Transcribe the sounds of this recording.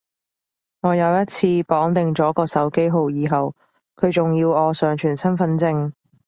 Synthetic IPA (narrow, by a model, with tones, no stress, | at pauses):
ŋɔː˨˧jɐ˨˧wjɐ˥t̚t͡sʰiː˧pɔː˨˥ŋt̪ɪ˨ŋt͡sɔː˨˥kɔː˧sɐ˨˥wke˥jɦo˨˧wjiː˨˧ɦɐ˨w | kʰɵ˨˧ɥt͡sʊ˨ŋjiː˧wɔː˨˧sœː˨˧ŋt͡ʃʰyː˨˩nsɐ˥nfɐ˧˥nt͡sɪ˧ŋ